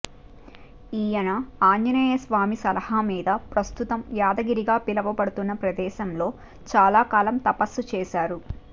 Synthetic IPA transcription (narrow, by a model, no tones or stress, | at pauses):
iːjɐnɐaːɲjɐneːjɐsʋaːmisɐlɐhɐmiːd̪ɐpɾɐst̪ut̪ɐmjaːd̪ɐɡiɾiɡaːpilɐʋɐpɐɽut̪unːɐpɾɐd̪ɛːʃɐmlo̞ː | t͡ʃaːlaːkaːlɐmt̪ɐpɐsːut͡ʃɛːʃaːɾu